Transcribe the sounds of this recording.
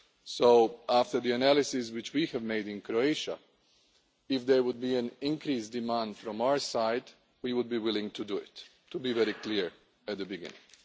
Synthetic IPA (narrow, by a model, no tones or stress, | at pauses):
soʊæftə˞ðiɨnælˠɪsɪswɪt͡ʃwihɨvmeɪdɪ̃nkɾoeɪʃa̰ | ɪfðɛɹwʊd̪̚biæ̃nɪ̃nkɾisdɨmãnd̥fɾɔ̃maʊə˞saɪd | wiwʊd̪̚biwɪlɪ̃ŋtʰuduɪ̰t | tːubivɛɾikliɹ | æt̪̚ðəbɪɡɪ̰̃nɪ̰̃ŋ